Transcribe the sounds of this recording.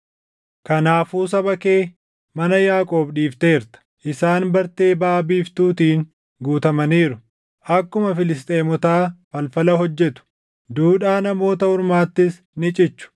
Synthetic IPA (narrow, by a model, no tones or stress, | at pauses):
kɐnaːfuːs̬ɐbɐkeː | mɐnɐjaːkʼoːbᶑiːft̪e̞ːɾt̪ɐ̥ʔɪsaːnbɐɾt̪e̞ːbaːbiːft̪uːt̪iːŋ | ɡuːt̪ɐmɐniːɾʊ | ʔɐkːʊmɐfɪlɪs̬t̪ʼe̞ːmɔt̪aːfɐlfɐlɐɦɔd͡ʒːɛt̪ʊ̥ | d̪uːᶑaːnɐmo̞ːt̪ɐhʊɾmaːt̪ːɪs | nɪt͡ʃʼɪt͡ʃːʊ̥